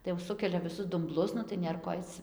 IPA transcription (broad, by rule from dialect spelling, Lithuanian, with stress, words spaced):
tɐɪ jɛʊ ˈsʊkʲɛlʲɛ ʋʲɪˈsʊs dʊmˈblˠʊs nʊ tɐɪ ˈnʲeːr koː ˈɐɪt͡s